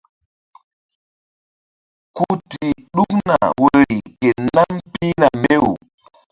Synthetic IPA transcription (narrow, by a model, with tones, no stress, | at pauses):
ku˦ti˨ɗu˦k̚na˨wo˦˨ɾi˨ke˨na˦mpi˦na˨me˦u˨